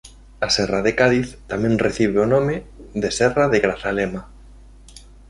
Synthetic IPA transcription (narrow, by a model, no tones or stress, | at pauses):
asɛraðekaðiθt̪amɛ̃ŋreθiβeonomeðesɛraðeɣɾaθalɛma